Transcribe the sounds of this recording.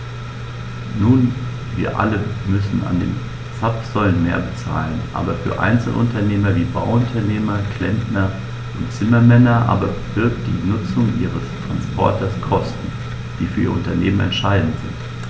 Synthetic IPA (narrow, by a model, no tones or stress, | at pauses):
nuːn | viːɐʔa̰ləmʏsn̩a̰ndḛːn | t͡sapz̥ɔlənmeːɐbət͡sa̰ːlənʔa̰ːbɐfyːɐʔa̰ɪnt͡sl̩ʔʊ̰ntɐneːmɐviːbaʊʊntʰɐneːmɐkʰl̥ɛntnɐ | ʔʊntt͡sɪmɐmɛnɐʔa̰ːbɐvɪɐkt̚d̥ḭːnʊt͡sʊŋʔḭːʁ̞əstʁ̥anspʰɔ̰ɐtɐskʰɔstn̩ | d̥iːfyːɐiːɐʊntɐneːmənɛ̰ntʃaɪdn̩tz̥ɪ̰nt